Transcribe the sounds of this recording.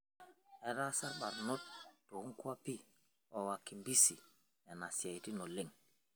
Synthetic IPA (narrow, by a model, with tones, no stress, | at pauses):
ɛ˦ɾa˦sa˦ɾɓa˨ɾnɔ˦t̚ːɔ˨u˦ŋku˦wa˦pi˦ | wa˨wa˨kːi˨mbi˦si˨ | a˨na˨sa˨jti˦nɔ˨lːe˦ŋ